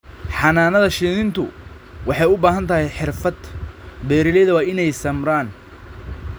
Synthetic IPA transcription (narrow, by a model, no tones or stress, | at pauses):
ħɑnaːnɐðɐʃiːðɪnt̪ʰʊ | wʔɑħɑjʊbaːɦɐnt̪ʰɐɦɛjħɪrfɐd̪bɛːɾɪlɛːðɐwɑːɪnɛjsɐmɾaːn